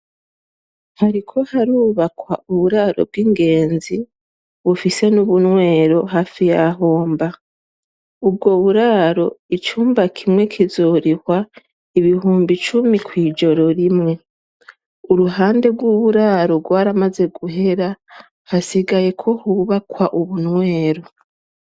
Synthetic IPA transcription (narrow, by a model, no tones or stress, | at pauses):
haɾikʰo̞haɾuːβakwa̰ʔuβuɾaɾo̞̰b̚ɡiŋɡe̞ːnzi | βufise̞nuβunwe̞ːɾo̞ɦaːfijaɦo̞ːmba | ub̚ɡo̞βuɾaɾo̞it͡ʃuːmbakʰimŋe̞kʰizoːɾihwa | iβiɦuːmbit͡ʃumikwiːd͡ʒo̞ɾo̞ɾimŋe̞ | uɾuɦaːnde̞ɡwuβuɾaɾo̞ɡwaːɾamaze̞ɡuɦe̞ɾa | hasiɡaje̞kʰo̞huβakwaʔuβunŋwe̞ːɾo̞